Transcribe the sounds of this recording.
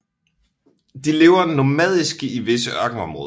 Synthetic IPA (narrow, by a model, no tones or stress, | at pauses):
d̥ile̝ːʊɐnomɛð̞̰ˠisɡ̥əiʋe̝səʔɶɐɡ̥n̩ɒ̽mʁɔ̽ːð